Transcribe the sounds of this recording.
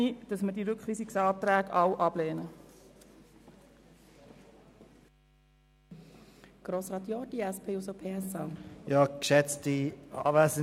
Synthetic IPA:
id̥ɑsmədiɾʉkχʋiːsiksɑːt̪ɾæːɡɑwʔɑb̥lɛːnə | ɡ̥ɾoːsɾɑːt̪jɔdiɛspʰeːusopʰeːɛsɑːjɑːkʃɛt͡stiɑ̰ːvæːsə

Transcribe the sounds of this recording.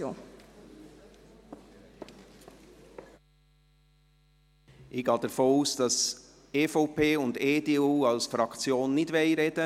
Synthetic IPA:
o | ʔɪɡ̥ɑːd̥̪əɾfoːuːsd̥ɑs | eːfɔʊpʰeːʊndeːdeːuːɑlsfɾɑkt͡sjoːnːɪdvɛɪɾɛd̥ə

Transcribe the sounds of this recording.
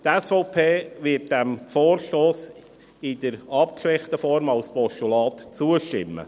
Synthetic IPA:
tɛsfɔʊpʰeːvɪt̚dɛmfoːrʃtoːs | ɪd̥əɾɑp̚kʃʋɛχt̪əfɔɾmɑʊspɔʃulɑːtt͡suəʃtɪ̰mːə̰

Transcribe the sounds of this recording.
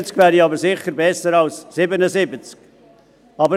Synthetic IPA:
t͡skvæːɾiɑːbəɾzɪχəɾbɛsəɾɑlsːɪbənəzɪbət͡sk | ɑbə

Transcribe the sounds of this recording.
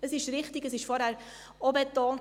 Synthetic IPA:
əsɪʃɾɪχtɪɡəsɪʃfɔɾhæːɾ | ɔbɛt̪oːnt

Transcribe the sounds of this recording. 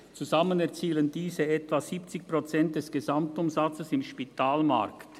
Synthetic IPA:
t͡suzamənɛt͡siːləndiːzəɛtv̥aziːp̚t͡sɪçpʁot͡sɛnt̚d̥ɛsɡ̥ezamtʊmzat͡səsɪmʃpitʰaːlma̰ʁkt

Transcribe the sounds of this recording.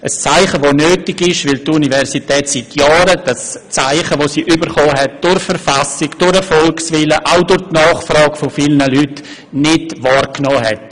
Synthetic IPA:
əst͡saɪχəʋonøːtɪɡɪʃʋɪltunivɛɾsitɛːtsitjɑːɾəd̥ɑst͡saɪχəʋosiːʔybəɾχɔːɦɛt̚d̥ʊɾfɛɾfasɪkd̥ʊɾɛfɔlksʋɪləʔaʊdʊɾtnɑːχfɾɑːɡfofilnəlyt | nɪtʋɑːɾknɔːɦɛt

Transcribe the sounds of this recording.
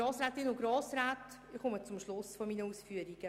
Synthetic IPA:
ɾoːsɾaːt̪ɪnʊɡ̥ɾoːsɾaːt | ɪχkʊmət͡sʊmʃlʊsfɔmiːnəusfyəɾiɡ̥ə

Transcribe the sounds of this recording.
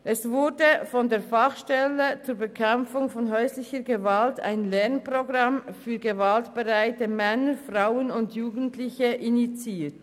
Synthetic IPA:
ʔɛsvʊɾdəfɔndeːɐfaχʃtɛlət͡suːɐbəkʰɛmp͡fʊŋfɔnɦœʏslɪçəɡəvalta̰ɪnlɛʁnpʁoɡʁɑmfyːɡəvaltb̥əʁaɪtəmɛnəfʁaʊənʊndjuːɡən̩tlɪçəʔinit͡siːt

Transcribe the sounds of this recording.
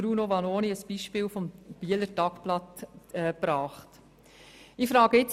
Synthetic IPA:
b̥ɾuːnoʋɑnoːniəsb̥iʃpɪːlfɔmb̥iələɾtɑkplɑt̪ɛːpɾɑːχt | ɪfɾɑːɡəɪt͡s

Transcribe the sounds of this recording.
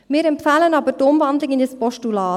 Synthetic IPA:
miːɾɛmpfaːlənɑbətʊmvɑndlɪŋɪnəspɔʃtulaː

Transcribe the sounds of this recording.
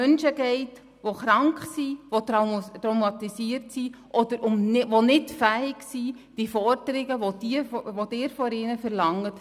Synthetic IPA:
œnʃəɡɛɪt | ʋoχɾɑŋkχsiʋotɾatɾowmɑtisiəɾtsiʔɔd̥̪əɾʊmʋonɪtfæːɪɡsi | d̥ifɔɾd̥əɾɪɡəʋodiʋod̥ɪːɾfɔɾɪnəfɛɾlɑŋːət

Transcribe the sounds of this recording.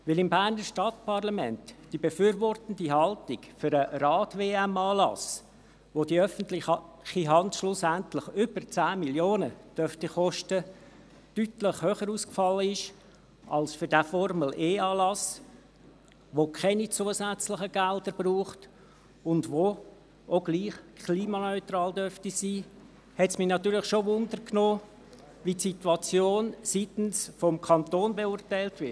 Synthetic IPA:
ʋɪlɪmbæːɾnəʃtɑtpɑʁlɑmɛntd̥ibefyːɾvɔrtən̩diɦɑltɪkføɾərɑːtveːæmɑːlɑ̰s | ʋodiœfəntlɪχiɦɑndʃlʊsæntlɪχʏb̥ərt͡sæːmiljoːnəd̥œrftiχɔʃtə | tytləχhøːχəɾuːskfɑlːəɪʃ | ʔɑlsfʏɾdæfɔrməleːɑːlɑs | ʋokʰɛnit͡suːəsæt͡slɪχəɡ̥ældəɾb̥ruːχt | ʊndʋo | oɡ̥liːχkʰliːmɑnɔʏt̪rɑːldœɾftisiː | hɛtsmɪnɑt̪yːɾlɪχʃovʊndəɾknoː | ʋitsit̪wɑt͡sjoːnsit̪n̩sfɔmkʰɑnt̪oːnbeʊrtæɪltʋɪ

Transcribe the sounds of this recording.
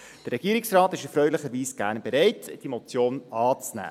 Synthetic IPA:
d̥əɾːɛɡ̥iəɾɪksrɑːt̪ɪʃɛfɾœʏlɪχəɾʋiːsɡ̥æ̰ːɾnbeɾɛɪtd̥imot͡sjoːnɑːt͡snæ̰ː

